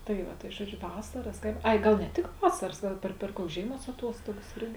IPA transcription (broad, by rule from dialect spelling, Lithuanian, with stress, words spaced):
tɐɪ ˈʋɐ tɐɪ ˈʒuɔˌd͡ʒʲʊ ˈʋɑːsɐrɐs ˈkɐɪp ˈɐɪ ˈɡɐlˠ nʲɛ ˈtʲɪk ˈʋɑːsɐrɐs ˈɡɐlˠ pʲɛr pʲɛr ˈkuɔks ˈʒʲeːɪˌmuɔs ɐˈtuɔstoːɡɐs ˈɪrʲɡʲɪ